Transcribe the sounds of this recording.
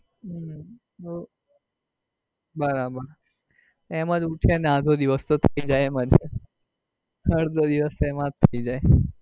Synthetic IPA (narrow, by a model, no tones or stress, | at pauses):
ɦ | o | bəɾabəɾ | emãd͡ʒuʈʰjanãd̪ʱod̪iʋəst̪ot̪ʰəid͡ʒajemãd͡ʒe | əɾd̪ʱəd̪iʋəst̪emãd͡ʒt̪ʰəid͡ʒaj